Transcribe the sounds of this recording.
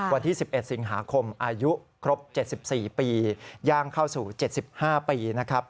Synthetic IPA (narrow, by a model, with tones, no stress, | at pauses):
wa˧nt̪ʰiː˥˩si˨˩p̚ʔe˨˩t̪̚si˩˦ŋɦaː˩˦kʰo˧mʔaː˧ju˦˥kʰɾo˦˥p̚t͡ɕe˨˩t̪̚si˨˩p̚siː˨˩piː˧jaː˧ŋkʰa˥˩wsuː˨˩t͡ɕe˨˩t̪̚si˨˩p̚haː˥˩piː˧na˦˥kʰa˦˥p̚